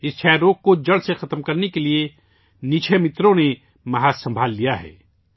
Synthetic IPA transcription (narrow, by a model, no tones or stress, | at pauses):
ɪst͡ʃʰɛːɾoːk̚kod͡ʒɐɽsexɐt̪mkɐɾnekelie | nit͡ʃʰemɪt̪ɾõne | mɐɦaːsɐ̃mbʱaːlːijaɦɛ̰ː